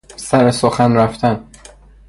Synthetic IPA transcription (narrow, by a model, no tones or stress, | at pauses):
sæɾesoxænɾæft̪ʰæn